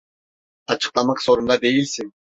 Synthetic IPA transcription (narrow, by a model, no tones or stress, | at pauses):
ɑt͡ʃɯ̥q̚t̪ɑmɑqso̞ɾund̪ɑd̪e̞jilʲsiŋ